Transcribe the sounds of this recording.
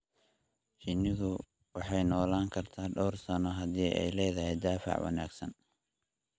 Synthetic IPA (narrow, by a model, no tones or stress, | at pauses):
t͡ʃɪnɪðʊ | wɑħɑjnɔːlaːŋkʰɐrt̪ʰaːɖɔwrsɐnɔɦɐðiːʔɛ̰jlɛːðɐɦɛjd̪aːfɑ̰ʕwɑ̰na̰ːɡsɐn